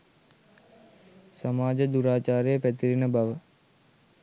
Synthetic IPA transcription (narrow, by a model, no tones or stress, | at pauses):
sɐmaːd͡ʒəd̪uɾaːt͡ʃaːɾejəpæt̪iɾinəbaʋə